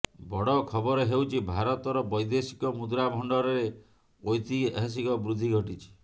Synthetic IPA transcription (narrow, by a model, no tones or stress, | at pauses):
bɔɽɔkʰɔbɔɾɔɦewt͡ʃʰibʱaɾɔt̪ɔɾɔbɔjd̪esi̥kɔmud̪ɾabʱɔɳɖɔɾɔɾe | ojt̪iɦes̬ikɔbɾud̪ʱːiɡʱɔʈit͡ʃʰi̥